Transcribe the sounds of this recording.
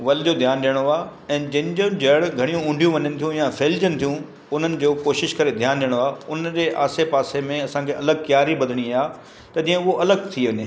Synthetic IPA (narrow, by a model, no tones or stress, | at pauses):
ʋɐlɪd͡ʑod̪ʱjaːnɗijəɽ̃oaːɛ̃ːd͡ʑɐ̃ɦɪ̃ɲd͡ʑõd͡ʑɐːɽɡʱɐɽ̃ijũʊ̃ːɳɖʱijũʋɐɲənɪ̆t̪ʰijũjaːfeːld͡ʑənɪ̆t̪ʰijũ | ʊn̤ənɪ̆d͡ʑoːkoːʃɪʃkɐɾed̪ʱjaːnɗijəɽ̃oaːʊnd͡ʑeʔaːsepaːsemẽɐsãːkʰeʔɐləɡ̚kjaːɾibɐd̪ʱəɽ̃iajaː | t̪ɐd͡ʑĩːə̃ʊɦoʔɐləɡ̚t̪ʰiʋɐɲɪ